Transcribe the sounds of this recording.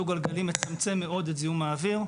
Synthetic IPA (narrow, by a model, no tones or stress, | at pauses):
uɡalɡalimet͡samt͡semːeo̞d̪ezijumaːviʁ